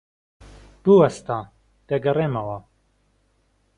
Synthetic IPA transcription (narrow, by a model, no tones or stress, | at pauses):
b̥uwɐst̪aː | d̪̥ɐɡɐreːmɐwɐ